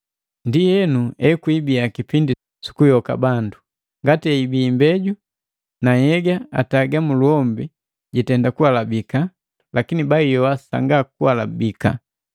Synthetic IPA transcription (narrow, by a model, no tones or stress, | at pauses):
ndijɛnuɛkwibiakipindi | si̥kujɔka̰bandu | ŋɡatiɛibiːmbɛɟu | najɛɡaataɡamuluɔmbi | ɟitɛndakualabika | lakinibaijɔwasa̰ŋɡakuwalabika̰